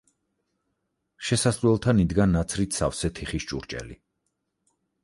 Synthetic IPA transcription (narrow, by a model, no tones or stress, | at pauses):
ʃɛsasɾwɛlˠt̪ʰanid̪ɡanat̪sʰɾit̪ʰsa̰fsɛt̪ʰiχist͡ʃʼṵɾt͡ʃʼɛ̰li